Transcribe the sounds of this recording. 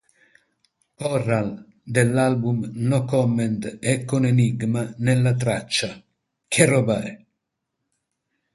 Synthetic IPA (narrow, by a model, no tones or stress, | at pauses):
pɔrːal | d̪ɛlːalbumnɔkɔmːɛnt̪ɛkːoneniɡmanɛlːat̪̬ɾat͡ʃːa | kʰɛrɔbaɾ